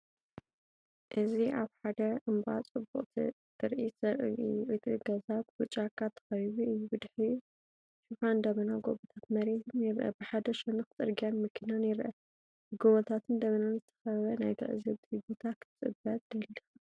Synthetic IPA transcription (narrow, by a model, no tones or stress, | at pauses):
ʔɨziʔaβħad̪ɐʔɨmba̰t͡sʼɨbːuqʼt̪ʰḭ | t̪ʰɨɾʔisɐʔiʔɨt̪ʼiɡɐzatbɨt͡ʃʼakʰːat̪ʰːɐ̥xɐjβuɨjubɨd̪ħiju | ʃufand̪ɐmɐnaɡoβɐt̪ʰat̪mɐɾet̪ʰɨnjɪɾʔɐ̰bɨħad̪ɐʃɛnɨxɨt͡s̪ʼɨɾɡijanmɨkʰːinanjɪɾʔɐ | bɨɡoβɐt̪ʰat̪ʰɨnd̪ɐβɐnanzɨt̪ʰɐ̥xɐβɐnajt̪ʰɐ̰ʔɨzɨβt̪ʰibot̪ʰakʰɨt͡sʼɨbɐt̪̚d̪ɐlːixa